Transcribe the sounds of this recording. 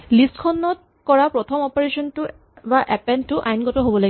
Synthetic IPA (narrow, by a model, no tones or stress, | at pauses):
listkʰɔnːɔt̚ | kɔɹapɹɔtʰɔmɔpaɹesɔntʊ | baʔɛpɛntʊʔajnɡɔtɔɦobɔlaɡ